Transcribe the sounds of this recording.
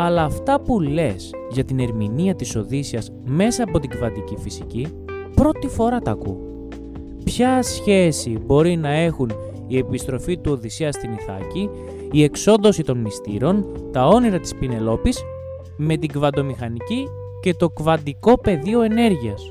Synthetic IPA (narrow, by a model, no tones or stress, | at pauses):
ɐlɐːft̪ɐpulle̞s | ʝɐt̪ine̞ɾminiɐt̪iso̞ðisiɐsme̞sɐːpo̞t̪iɡvɐnd̪icifisici | pɾo̞t̪ifo̞ɾɐt̪ɐkṵ | pçɐsçe̞sibo̞ɾinɐe̞xun | ie̞pist̪ɾo̞fit̪uo̞ðisiɐst̪iniθɐ̰ciː | e̞kso̞nðo̞sit̪o̞nmist̪ḭɾo̞nt̪ɐo̞niɾɐt̪i̥spine̞lo̞pis | me̞t̪iɡvɐnd̪o̞mixɐnici | ce̞t̪o̞kvɐnd̪iko̞pe̞ðio̞e̞ne̞ɾʝiɐs